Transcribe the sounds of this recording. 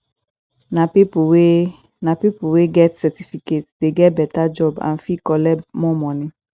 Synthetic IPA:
napipwe | nãpipuweɡɛtsɛtifiketdeɡɛtbɛtad͡ʒɔbã̰n̩fikɔlɛmɔ̃mɔ̃nɪ̃

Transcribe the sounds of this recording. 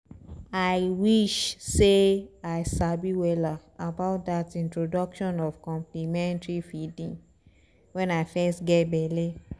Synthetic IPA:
aɪwiʃseaɪsabiwɛla | abaʊt̚datĩntɹodɔkʃɔ̃nɔvkɔ̃mplimɛ̃ntɹifidĩŋ | wɛ̃naɪfɛstɡɛtbɛle

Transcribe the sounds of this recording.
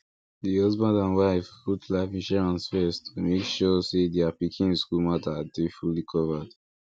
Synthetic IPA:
dihʌzbãndãnwaɪfputʰlaɪfĩnʃɛɹãnsfɛstmekʃɔsedeapikʰĩnskulmatadefulikʰɔvəd̥

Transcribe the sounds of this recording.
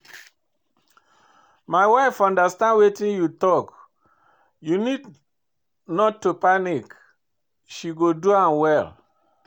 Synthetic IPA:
maɪwaɪfɔ̃ndastãndwetĩnjutɔk | junid | nɔtːopanik | ʃiɡoduãmwɛl

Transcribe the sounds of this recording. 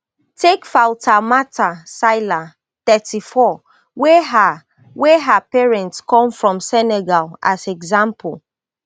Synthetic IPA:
tʰekfaltʰamatʰasaɪla | t̪ɛtifɔ | weɦ | weɦapɛɹɛ̃ntskʰɔ̃mfɹɔ̃msɛnɛɡala̰sɛɡzãmpʰul

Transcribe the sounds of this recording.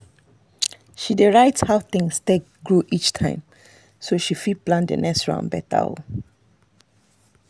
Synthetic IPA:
ʃideɹaɪthaʊθɪ̃ŋstek̚ | ɡɹoʔit͡ʃtʰãɪ̃m | soʃifiplãndə̰nʔɛkstɹã̰nbɛ̰ta̰ɔ̰

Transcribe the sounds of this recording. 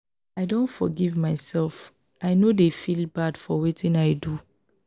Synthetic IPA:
aɪdõntfɔ̰ɡivmaɪsɛlf | aɪnodefilbadfɔwetʰĩnaɪdu

